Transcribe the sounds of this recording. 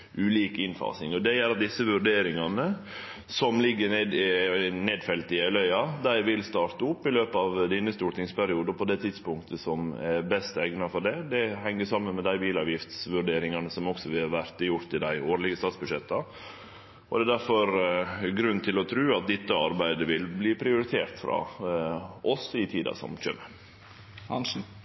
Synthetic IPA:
ʔʉːliːkɪnfɑ̰ːsɪŋɔd̪ɛjɛɾɑt̪̚d̪ɪsːəʋʉɾɖeːɾɪŋɑnə | sɔmlɪɡːəneːd̪ɪneːd̪fɛlt̪ɪæɪlœʏɑd̪æɪʋɪlst̪ɑːɾt̪əʊpːɪløːpəɑʋd̪inːəst̪uːʈ̪ɪŋspʰæɾɪuːd̪əpʰɔd̪ɛːt̪ʰɪd̪spʊŋkt̪ʰəsɔmæɾbɛst̪ɛɡnɑfɔɖɛd̪ɛɦɛŋːəsɑmːənmɛd̪æɪbiːlɑːʋjɪft̪sʋʉɖeːɾɪŋɑnəsɔmɔksɔʋɪlɑʋæɾt̪əjʊɾt̪ɪd̪æɪoːɾlɪɡəst̪ɑːt̪sbʉd̪ʂɛt̪ːɑ | ɔd̪ɛːd̪æɾfɔɾɡɾʉnːt̪ʰɪlɔt̪ʰɾʉːɑt̪̚d̪ɛt̪ːəɑɾbæɪd̪əʋɪlbliːpʰɾɪʊɾɪt̪ʰeːɾt̪fɾɑ̰ | ʔɔsɪt̪ʰiːd̪ɑ̰sɔ̰mçø̰ːmə

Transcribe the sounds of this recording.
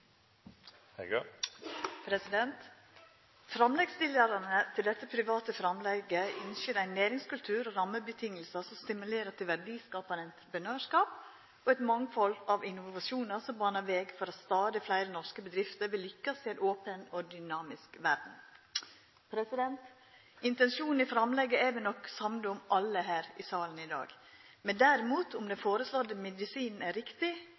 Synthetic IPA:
h | pʰɾɛsɪd̪ɛnt̪ | fɾɑmlɛɡst̪ɪləɾɑnət̪ʰɪld̪ɛt̪ːəpʰɾɪʋɑːt̪əfɾɑmlɛɡəɪnsøːɾæɪnːeːɾɪŋskʉlt̪ʰʉːɾoɾɑmːəbət̪ʰɪŋːəlsəsɔmst̪ɪmʉleːɾət̪ʰɪlʋæɖiːskɑːpɑnəɪnt̪ɾəpənøːʂkɑːp | ɔɛt̪mɑŋfɔlɑʋɪnʊʋɑʃuːnɑsɔmbɑːnɑʋeːɡfɔɾɑt̪st̪ɑːd̪ɪflæɪɾənɔɾskəbəd̪ɾɪft̪əɾʋɪlːʏkːɑseɾʔoːpənɔd̪ʏnɑːmɪskʋæɾd̪ɳ̩n̩ | pʰɾɛsɪd̪ɛnt̪ | ɪnt̪ɛnʃuːnn̩ɪfɾɑmlɛɡːəædɛnɔkːsɑmd̪ʊmʔɑlːəɦæːɾɪsɑːlən̩ɪd̪ɑ̰ːɡ | mɛnd̪æɾɪmuːt̪ʊmd̪ɛfoːɾəslɔd̪əmɛd̪ɪsiːnn̩æɾɪkt̪ɪ

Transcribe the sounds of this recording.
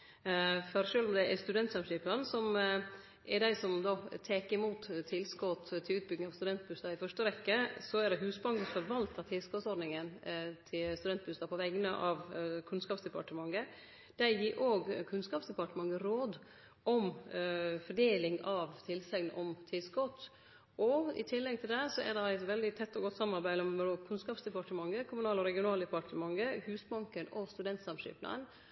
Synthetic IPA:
fɔɾʂøːlɔmd̪ɛʔɛst̪ʉd̪ɛnt̪sɑmʂɪːpənsɔm | ʔɛɖæɪsɔmd̪ot̪ʰeːkəɪmuːt̪ʰːɪlskɔt̪t̪ʰːɪlʉːt̪̚bʏɡ̪nɪŋɑʋst̪ʉd̪ɛnt̪̚bʉst̪ɑɪfœʂʈəɾɛkːəsɔɛɖɛɦʉːsbɑŋɡəfɔɾʋɑlt̪ʰɑt̪ʰɪlskɔt̪sɔɖnɪŋənt̪ʰɪlst̪ʉd̪ɛnt̪̚bʉst̪ɑpʰɔʋɛɡənəʔɑːʋkʰʉnskɑːpsd̪ɛpɑʈəmɑŋːə | d̪̥æjiːɾʔoːɡkʰʉnskɑːpsd̪ɛpɑʈəmɑŋɡəɾoːd̪ | ʔɔm | fɔɖeːlɪŋɑʋt̪ʰɪlsɛŋnəʔɔmt̪ʰɪlskɔt̪ː | ɔɪ̰t̪ʰɪlːɛɡ̚t̪ʰɪld̪ɛsɔæ̰dɛæɪt̪ʋɛld̪ɪt̪ʰɛt̪ːɔɡɔt̪ːsɑmːɑɾbæɪɔmɔkʰʉnskɑːpsd̪ɛpɑʈəmɑŋːəkʰʊmʉnɑːlɔɾɛɡɪʊnɑːld̪ɛpʰɑʈʰəmɑŋːəhʉːsbɑŋkənɔst̪ʉd̪ɛnt̪sɑmʂʏ̰ːpnɑ̰ən

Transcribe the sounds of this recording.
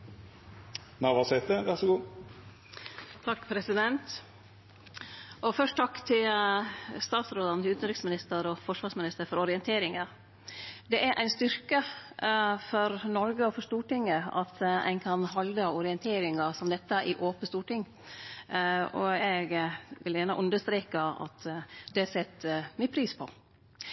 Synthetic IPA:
nɑʋɑsɛt̪əʋæʁsɔɡuː | t̪ʰɑkːpʰɾɛsɪd̪ɛnt̪ | ʔɔfœʂʈt̪ʰɑkːt̪ʰɪl | st̪ɑːt̪sɾoːd̪ɑnət̪ɪlʉːt̪ənɾɪksmɪnɪst̪əɾɔfɔʂʋɑːʂmɪnɪst̪əɾfɔɾɔɾɪənt̪ʰeːɾɪŋɑ | d̪ɛʔæɾʔæ̰ɪnst̪ʏɾkə | fɔɾnɔɾɡəɔfɔɾʂst̪uːʈɪŋːəɑ̰t̪æ̰ɪnkʰɑnɦɑld̪ɑɔɾɪənt̪ʰeːɾɪŋɑsɔmd̪ɛt̪ːəʔɪʔoːpəst̪uːʈɪŋː | ɔ̰ɛɡʋɪljæːnə̰ʔʉnd̪əst̪ɾeːkɑɑ̰t̪d̪̥ɛsɛt̪ːmɪpʰɾiːspʰɔ

